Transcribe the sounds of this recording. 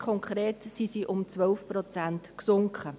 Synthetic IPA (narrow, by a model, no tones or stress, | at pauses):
kʰɔŋkʰχɾeːtsisiʔʊmt͡sʋœlfpɾɔt͡sæntksʊŋkχə